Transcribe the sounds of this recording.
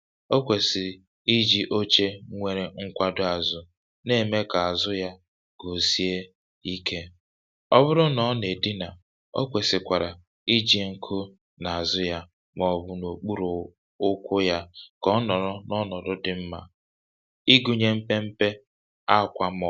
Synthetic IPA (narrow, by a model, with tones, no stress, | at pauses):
o˦kʷe˨sɪ˨ | i˦d͡ʒi˦ʔo˦t͡ʃe˦ŋʷe˨ɾe˨ŋ̩˦kʷa˦dʊ˦a˨zʊ˨ | ne˦˨me˦ka˨a˨zʊ˦ja˦ | ɡ̥o˨si˦e˦ | i˦kʰe˦ | ɔ˦bʊ˦ɾʊ˦nɔ˨˦ne˨di˦na˨ | o̰˦kʷe˨sɪ˨kʷa˨ɾa˨ | i˦d͡ʒi˦ŋ̩˦kʰʊ˦ | na˨a˨zʊ˦ja˦ | mɔ˨bʊ˦no˨k͡pu˦ɾo˨ | ʊ˦kʷʊ˦ja˦kɔ˦nɔ˨ɾɔ˦nɔ˦nɔ˨dʊ˦dɪ˨m̩˦ma̰˨ | i˦ɡu˨ɲe˦m̩˦pe˦m̩˦pe˦ | a˦˨kʷa˦mɔ˨